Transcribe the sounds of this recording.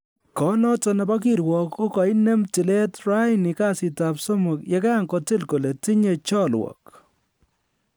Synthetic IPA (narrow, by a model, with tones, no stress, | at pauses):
kɔ˨nɔ˦tɔ˦nɛ˨ba˦k̬i˦ɾwɔ˨ko˦kɔ˨i˦nɛ˦mtɪ˨le˦tra˦jnɪ˨ka˦sɪ˨ta˨pso˦mʊ˨kje˦ka˦ŋkɔ˨tɪ˦lko˨le˨ti˦ɲe˨t͡ʃɔ˦lwɔ̰k